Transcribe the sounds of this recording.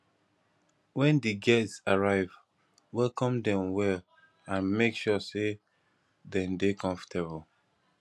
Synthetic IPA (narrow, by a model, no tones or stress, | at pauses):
wɛ̃ndiɡɛstsaɹaɪv | wɛlkɔ̃mdɛ̃mwɛl | ãnmekʃɔse | dɛ̃mdekʰɔ̃ɱfɔ̥tʰebl